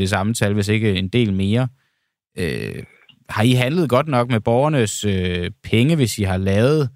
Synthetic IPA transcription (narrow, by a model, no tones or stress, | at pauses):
esɑ̈mət͡sʰælʋe̝s̬e̝ɡ̥əend̥e̝̰ːlme̝ːɐ | ø | hɑ̈iɦænləð̞̩ˠɡ̥ɒ̽d̥nɒ̽ɡ̥meb̥ɒʊɐnəsøpʰeŋəʋe̝siɦɑ̈lɛːʊð̞̩ˠ